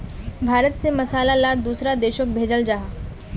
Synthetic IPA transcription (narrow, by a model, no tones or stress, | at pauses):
bʱaːɾət̪semɐsaːlalaːd̪uːsɾad̪eːʃok̚bʱeːd͡ʒəld͡ʒaɦaː